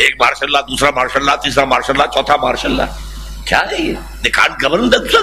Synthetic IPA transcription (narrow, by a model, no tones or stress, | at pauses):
eːk̚maːɾʃəlːad̪uːsɾamaːɾʃəlːat̪iːsɾamaːɾʃəlːat͡ʃɔːt̪ʰamaːɾʃəlːa̰ | kʰja̰e | neka̰ːɳɡəʋəɾmd̪əsə